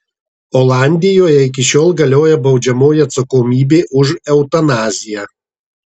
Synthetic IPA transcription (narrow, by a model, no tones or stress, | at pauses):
ɔːlˠɑˑnʲd̪ʲɪjoːjɛɪk̬ʲɪʃʲoːlˠɡɐlʲoːjɛbɒʊd͡ʒʲɛmoːjɪɐt̪sɐkomʲiːbʲeːʔʊʒɛʊt̪ɐnɑːzʲɪjɛ